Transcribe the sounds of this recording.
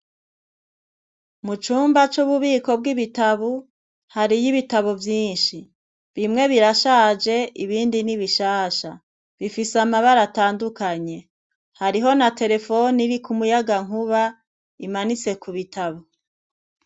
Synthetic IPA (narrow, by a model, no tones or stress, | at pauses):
mut͡ʃuːmbat͡ʃuβuβiːko̞b̚ɡiβitaβu | haɾijiβitaβovjiːnʃi | βimŋe̞βiɾaʃaːd͡ʒe̞ʔiβiːndiniβiʃaːʃa | βifisamaβaɾataːndukaɲe̞ | haɾiɦo̞nate̞ɾe̞fo̞niɾikumujaɡaŋ̥uβa | imanit͡se̞kuβitʰaβo